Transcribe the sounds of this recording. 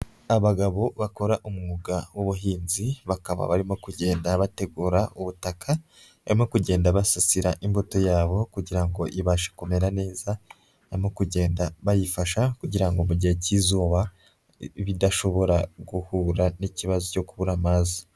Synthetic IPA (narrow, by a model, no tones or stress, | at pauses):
aβaɡaβo̞βako̞ɾaʔumŋuɡawoβuɦiːnziβakaβa̰βaɾimo̞kuɟe̞ːndaβate̞ɡuːɾauβutakʰa | βaɾimo̞kuɟe̞ːndaβasasiɾaʔimbutojaːβo̞kuɟiɾaŋɡo̞ʔiβaʃḁkume̞ɾane̞ːza | βaɾimo̞kuɟe̞ːndaβajifaʃakuɟiɾaŋɡomuɟihecizoβa | iβidaʃo̞βo̞ɾaɡuhuːɾaniciβazoco̞kuβuɾamaːzi̥